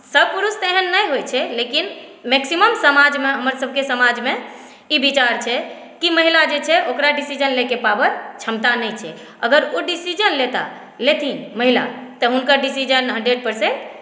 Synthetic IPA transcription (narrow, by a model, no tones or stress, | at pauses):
səb̚ʱpuɾust̪eɦənːəjɦojt͡ʃʰɛlekinmeksiməmsəmad͡ʒmeɦəməɾsəb̚ʱkesəmad͡ʒme | ibit͡ʃaɾt͡ʃʰɛ | kiməɦilad͡ʒet͡ʃʰɛokɾaɖisid͡ʒənlekepabət͡ʃʰəmt̪anɛjt͡ʃʰɛ̰ | əɡəɾoɖisid͡ʒənlet̪a̰ | let̪ʰĩməɦila̰t̪əɦunkəɾɖisid͡ʒənɦə̃ɳɖɾeɖ̚pəɾsẽɳʈ